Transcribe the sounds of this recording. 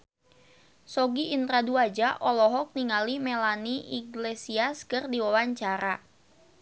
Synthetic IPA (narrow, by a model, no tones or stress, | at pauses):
sɔɡiʔːnt̪ɾaduad͡ʒaʔɔlɔɦɔk̚niŋalimelaniiɡlesiaskɨrdiwawaɲt͡ʃaɾa